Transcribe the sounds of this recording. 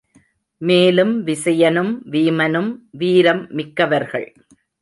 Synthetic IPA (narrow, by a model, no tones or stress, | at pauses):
meːlɯmʋɪsɐjɐnɯmʋiːmɐnɯmʋiːɾɐmːɪkːɐʋɐɾɣɐ̰ɭ